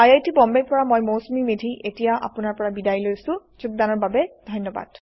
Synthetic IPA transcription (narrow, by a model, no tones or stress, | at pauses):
ajajtibɔmbɛkpɔɹamojmosmimedʱiʔetijaʔa̰pʊnaɹpɔɹabidajlojsʊ̃zuk̚danɔɹbabɛd̥ʱɔjnːɔba̰d̥